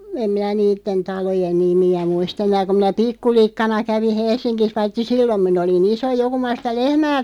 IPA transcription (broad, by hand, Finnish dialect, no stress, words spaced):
em minæ niːtːen tɑlojen nimiæ muist enˑæː kum̆ minæ pikːulikːɑnɑ kæʋi helsˑinkis ʋɑitːi silːom min olin iso jo kum̆ mɑ sitæ lehmæː